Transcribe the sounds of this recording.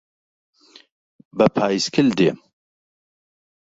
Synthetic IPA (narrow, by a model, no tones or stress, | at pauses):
bəpʰaːjiskʰɪld̪eː